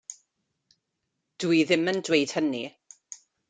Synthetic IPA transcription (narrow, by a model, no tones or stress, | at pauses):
d̥uiðɪməndwejd̥həni